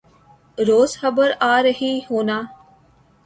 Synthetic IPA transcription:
ɾoːzxəbəɾaːɾəɦiːɦoːnaː

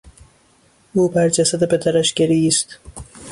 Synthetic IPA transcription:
ʔuːbæɾd͡ʒæsæd̪epʰe̞d̪æɾæʃɟ̥eɾiːst̪

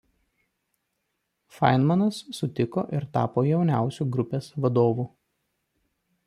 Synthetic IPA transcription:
fɐ̰ɪnmɐnɐsːʊt̪ʲɪko̰ːʔɪɾt̪ɑ̰ːpoːjɛʊnʲæˑʊsʲuːɡɾʊpʲeːsʋɐd̪oːʋuː

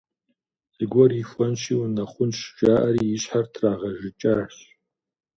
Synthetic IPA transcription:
ɡʷɔrifʷɔnʃiunɐχʷʊnʃʒaːʔɐɾiɪɕħartʰraːʁɐʒɪt͡ʃʼarɕ

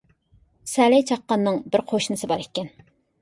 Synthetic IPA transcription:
sɛlɛjt͡ʃʰɑqːɑnːɨŋbɪɾqʰoʃnɨsɨbɑɾekʲːɛn

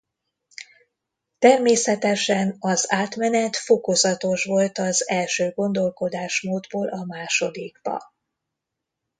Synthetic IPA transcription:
t̪ɛrmeːsɛt̪ɛʃɛnɒzaːt̪mɛnɛt̪fo̞ko̞zɒt̪o̞ʃʋo̞lt̪ɒzɛlʃøːɡo̞nd̪o̞lko̞d̪aːʃmoːd̪boːlʔɒmaːʃo̞d̪iɡ̥b̥ɒ̰

